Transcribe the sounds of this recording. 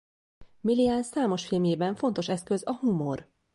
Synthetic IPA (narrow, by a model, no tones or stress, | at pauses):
miliansːaːmo̞ʃfilmjeːbɛɱfo̞nt̪o̞ʃɛskøzɒhumo̞r